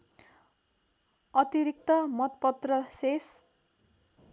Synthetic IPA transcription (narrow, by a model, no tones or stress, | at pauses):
ʌt̪iɾik̚t̪ʌmʌt̪̚pʌt̪rʌses